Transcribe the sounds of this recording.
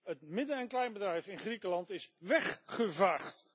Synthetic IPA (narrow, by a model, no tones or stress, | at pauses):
ət̚mɪdəɛnklɛjnbədrɛjfɪnχrikəlɑntɪsʋɛχːəvaːχt